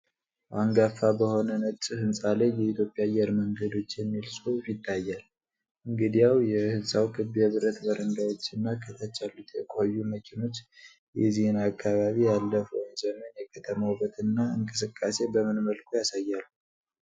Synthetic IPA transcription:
ʔaŋɡafabəho̞nənət͡ʃʼɨhɨnsʼalejɛit̪ʰjo̞pʼjaːjːɛɾməŋɡəd̪o̞t͡ʃːjɛmːilsʼufit̪ʰːajːal | ʔɨŋɡɨd̪ijawjɛhɨsʼawkʰɨβjɛβɨɾət̪bəɾənɡ̪ajo̞t͡ʃːɨnːakʰət̪ʰat͡ʃːalːut̪jɛkʼhəjːuməkʰino̞t͡ʃː | jɛzihɨnakʰʼːaβaβijalːəfəwnd͡ʒɛmːənjɛkʰət̪ʰəməwbət̪ɨnːaɨŋkʼɨsɨkʼːase̞bəmɨnməlkʰojasajːalːu

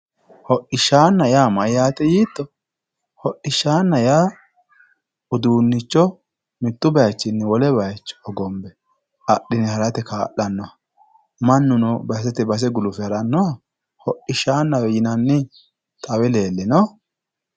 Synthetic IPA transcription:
hɔʔɪʃːaːnːɐjaːmɐjaːt̪ɛjiːt̪ːɔ | hɔʔɪʃːaːnːɐjaː | ʊd̪uːnːɪt͡ʃːɔ | mɪt̪ːʊbɐjt͡ʃːɪnːɛwɔlɛbɐjt͡ʃːɔ̥ɔɡɔmbɛ | ɐɗɪnɪhɐɾɐt̪ɛkaːʔɐnːɔɐ | mɐnːʊnɔbɐs̬ɛt̪ɛbɐs̬ɛɡʊlʊfɛhɐɾɐnːɔa | hɔʔɪʃːaːnːɐwɛjɪnɐnːɪ | t̪ʼɐwɛle̞ːlːɛnɔ

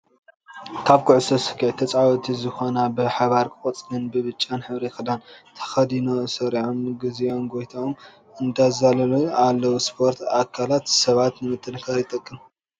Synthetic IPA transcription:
kʰaβkʰuʕɨsɐsɨ̥kʰːiʕt̪ʰɐt͡sʼʕawɔt̪ʰizɨxo̞nabɨħaβaɾkʼɨkʼɐt͡sʼɡɨnbɨβɨt͡ʃʼːanħɨβɾexɨd̪ant̪ʰɐ̥xɐd̪inosɐɾiʕonɡɨzionɡo̞jt̪ʰaom | ɨnd̪azalɐlualːɐwuspʰo̞ɾt̪ʰakʰalat̪sɐβat̪nɨmɨt̪ʰːɨnkʰaɾjɪt̪ʼɐkʼːɨm

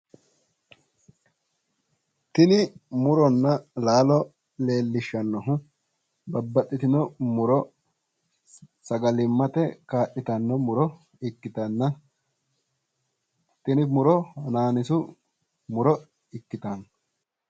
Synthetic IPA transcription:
t̪ɪnɪmʊɾɔnːɐlaːlɔ | le̞ːlːɪʃːɐnːɔɦʊ | bɐbːɐt̪ʼːɪt̪ɪnɔmʊɾɔ | sɐɡɐlɪmːɐt̪ɛkaːʔːɪt̪ɐnːɔmʊɾɔ | ɪkːɪt̪ɐnːɐ | t̪ɪnɪmʊɾɔnaːnɪsʊ | mʊɾɔ | ɪkːɪt̪ɐn

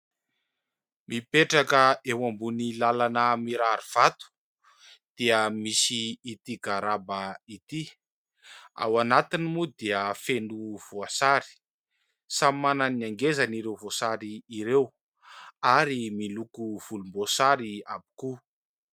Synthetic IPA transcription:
mipeʈ͡ʂakəewambunilalanəmiɾaɾiv̥at̪u̥ | d̪̥iəmisiːt̪iɡaɾabait̪i | a̰wanat̪inimud̪iəfenuv̥oasaɾi̥ | samimananiaŋɡezaniɾewvosaɾiːɾew | aɾimilukuv̥ulumbosaɾia̰bi̥ku

